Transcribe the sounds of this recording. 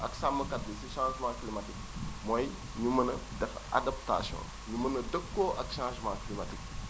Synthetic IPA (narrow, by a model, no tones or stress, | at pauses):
ʔɐksamːɐkɐt̚lisiʃãːʒmãːklimɐtik̚ | mɔj | ɲumɐnɐdɛfa̰dɐp̚ta̰sjɔ̰̃ | ɲumɐnɐdəkːoːʔɐkʃãːʒmãːklimatik̚